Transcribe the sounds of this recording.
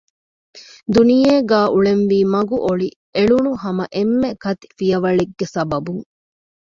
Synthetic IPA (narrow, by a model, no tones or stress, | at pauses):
d̪unijeːɡaːʔuɭenʋiːmɐɡuʔoɭi | eɭunuɦɐmɐʔemːekɐt̪i̥fijɐʋɐɭeɡːesɐbɐbuŋ